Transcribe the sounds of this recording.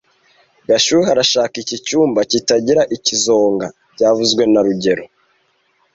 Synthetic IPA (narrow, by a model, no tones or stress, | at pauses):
ɡaʃuːɾeɦaɾaʃaːkicicuːmbacitaɟiɾaʔicizo̞ːŋɡa | ɟaːvuzɡwe̞naɾuɟe̞ɾo